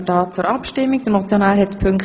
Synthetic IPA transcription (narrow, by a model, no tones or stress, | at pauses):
dɑːt͡suɾɑpʃtɪmːiɡ̚d̥̪əɾnɔt͡sjonaːɾhɛt̪pʰʏŋk